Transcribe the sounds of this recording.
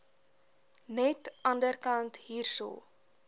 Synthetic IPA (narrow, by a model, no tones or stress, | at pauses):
nɛtʔɐndərkɐntɦiːrso̰ː